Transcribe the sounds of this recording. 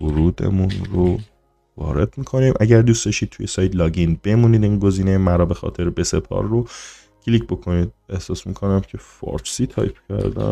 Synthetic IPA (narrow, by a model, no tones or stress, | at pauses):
voɾuːd̪e̞̰munɾo | vɒ̰ːɾe̞d̪̥miːkʰo̞niːmʔæɟæɾd̪uːstd̪ɒʃiːt̪̚t̪ʰujesɒːjt̪ʰlɒːɟinbe̞muːniːd̪iːŋnɡo̞ziːnejemæɾɒːbe̞xɒ̰ːt̪ʰe̞ɾbe̞sepʰɒ̰ɾːo | cʰlicʰbo̞kʰo̞niːd̪̚e̞hsɒːsmḭːkʰo̞næmcʰe̞fɒ̰ːɾsiːt̪ʰɒ̰ːjpʰcʰæ̰ɾd̪æ̰